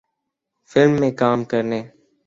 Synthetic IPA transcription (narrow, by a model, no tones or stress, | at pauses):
fɪlmːẽːkaːmkəɾneː